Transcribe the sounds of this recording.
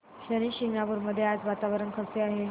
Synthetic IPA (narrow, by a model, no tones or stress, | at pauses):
ɕəɾiːɕiŋɡnabuɾməd̪ʱːjead͡zʋat̪aʋəɾəɳkʰət͡seaɦe